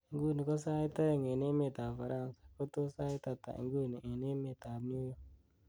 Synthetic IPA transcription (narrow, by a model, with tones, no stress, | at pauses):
ŋ˦ɡu˦˨ni˨ko˦s̬a˦i˦t̪a˦ɾe˦˨ŋe˨ne˦me˦˨t̪a˨fa˨ɾa˦˨nsḁ˨ko˦t̪o˦sa˦i˦t̪a˨t̪a̰˨ʔḭ˨ŋ˦ɡu˦˨ni˨e˨ne˦me˦˨t̪a˨m˦u˦jo˦